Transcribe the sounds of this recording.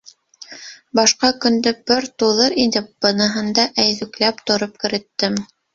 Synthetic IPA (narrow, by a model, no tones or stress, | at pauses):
bɑʃqɑkɵ̆nd̪ɘbɘɾt̪uðɤɾind̪ɘp̚b̥ɤ̆nɤ̆ɦɤ̆nd̪ɑʔæjðʉklæpt̪ŏɾop̚kɘ̆ɾɘ̆t̪ːɘm